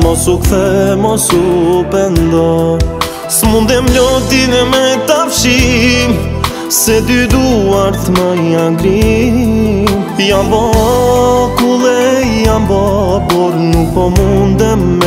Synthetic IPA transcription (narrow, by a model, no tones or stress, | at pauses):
mɔsokfɛmɔsopɛnd̪ɔ | smũnd̪ɛmʎod̪inɛmɛt̪afʃi | sed̪yd̪uaɾt̪maiãɡɾi | iãmbɔ | kule | iãmbɔ | pɔɾnupɔmũnd̪ɛm